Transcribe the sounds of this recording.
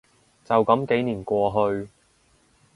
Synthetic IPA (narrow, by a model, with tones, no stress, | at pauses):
t͡sɐ˨wkɐ˨˥mke˨˥jniː˨˩nkʷɔː˧ɦɵ˧ɥ